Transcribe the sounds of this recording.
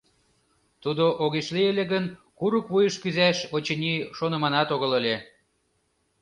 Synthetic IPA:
t̪ud̪oʔoɣeʃlielʲĕɣənkuɾukβujəʃkyzæʃot͡ɕəniʃonə̆mɑnɑt̪oɣɤ̆ləlʲe

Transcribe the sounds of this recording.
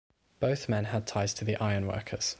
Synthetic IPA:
b̥əʊθmɛ̃nəd̚tʰaɪz̥tʰəðiʔaɪə̃nwɜ̰ˑkʰəz̥

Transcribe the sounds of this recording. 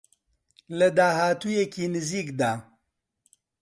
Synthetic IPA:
lɐd̪aːɦaːt̪uːjekiːnɨziːkd̪aː

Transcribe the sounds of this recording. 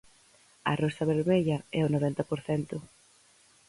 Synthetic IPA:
ɐ̰rost̪ɐβeɾmeʎɐɛʊnoβɛnt̪ɐpoɾθɛnt̪ʊ

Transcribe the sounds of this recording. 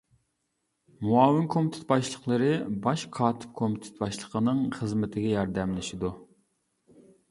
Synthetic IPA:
muɑːwɪnkʰomɪt̪ʰɪ̥t̪̚bɑʃlˠəχlˠəɾɨbɑʃqʰɑːt̪ʰɪ̥p̚kʰomɪt̪ʰɪ̥t̪̚bɑʃlˠəqʰənɨŋχəzmɪt̪ʰɪɡʲɛjɑɾd̪ɛmlɪʃid̪u

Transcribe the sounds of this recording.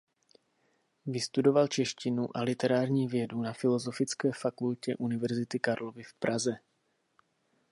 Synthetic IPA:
vɪst̪udo̞valt͡ʃɛʃcɪnuʔalɪt̪ɛɾaːɾɲiːvjɛdunafɪlo̞zo̞fɪt͡skɛːfakulcɛʔunɪvɛɾzɪt̪ɪkaɾlo̞vɪfpɾʔazɛ

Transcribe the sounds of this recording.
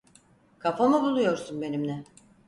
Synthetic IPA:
kʰafamɯbulˠujo̞ɾsunbe̞nimnʲɛ

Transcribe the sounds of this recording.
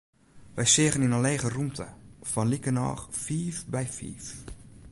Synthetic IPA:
ʋɛjsɪəɣəninənleːɣərumtʰə̰fɔnlikənɔ̰ːχfiːfbɛjfḭːf

